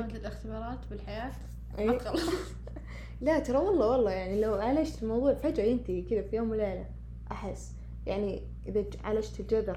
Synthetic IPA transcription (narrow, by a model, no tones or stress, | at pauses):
mt̪lalɪxt̪ɪbɑːɾˤɑːt̪bɪlħajaːt̪ | ʔeːɑl | lat̪ɑɾˤɑwɑlˤːɑwɑlˤːɑːjaʕnilawʕalaʃt̪ɪlmɑwðˤuːʕfad͡ʒajɪnt̪ikɪðafijoːmɪleːla | ʔaħɪsː | jaʕni | ʔɪða | ʕa̰laʃt̪ɪld͡ʒadːɑɾ